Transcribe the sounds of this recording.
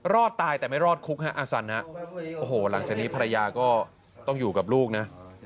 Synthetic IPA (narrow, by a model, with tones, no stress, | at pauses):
ɾɔː˥˩t̪ːaː˧jt̪ɛː˨˩ma˥˩jɾɔː˥˩t̪̚kʰu˦˥k̚ha˦˥ʔaː˧sa˨˧˦nha˦˥ʔʔoː˧˩hoː˨˩la˩˦ŋt͡ɕaː˨˩k̚niː˦˥pʰa˧ɾa˧jaː˧kɔː˥˩ | t̪ɔ˥˩ŋjuː˨˩ka˨˩p̚luː˥˩k̚na˦˥